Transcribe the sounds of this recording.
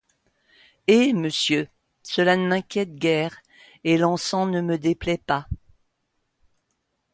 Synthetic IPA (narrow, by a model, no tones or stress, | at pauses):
eməsjø | səlanəmɛ̃kʲjɛt̪̚ɡʲɛːʁ | elɑ̃sɑ̃nəməd̪eplɛpa